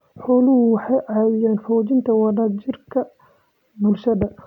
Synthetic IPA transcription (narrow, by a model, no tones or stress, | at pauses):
ħɔːlʊhʊwɑħɑjʔɐjaːnfɔːt͡ʃɪnt̪ʰɐwɑdaːt͡ʃɪrkʰɐ | bʊlʃɐðɐ